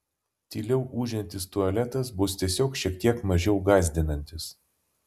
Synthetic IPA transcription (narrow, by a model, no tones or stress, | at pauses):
t̪ʲiːlʲɛʊʔuːʒʲɛnʲt̪ʲɪst̪ʊɐlʲɛt̪ɐsbʊst̪ʲiɛsʲoːkʃʲiɛk̚t̪ʲiɛkmɐʒʲɛʊɡɑːzʲd̪ʲɪnɐnʲt̪ʲɪs